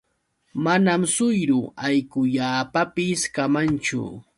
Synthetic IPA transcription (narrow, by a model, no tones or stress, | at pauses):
manamsʊjɾʊajkʊʎaːpapɪskamant͡ʃʊ̰